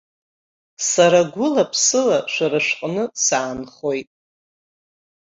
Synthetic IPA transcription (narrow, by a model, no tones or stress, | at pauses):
saɾaɡʷʊlapʰsɨlaʃʷaɾɨʂqʼnɨsaːnχo̞jtʼ